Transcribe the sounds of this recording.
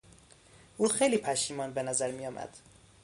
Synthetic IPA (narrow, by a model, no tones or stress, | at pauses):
ʔuːxejliːpʰæʃiːmɒːnbenæzæɾmijɒːmʔæ̰d̪̥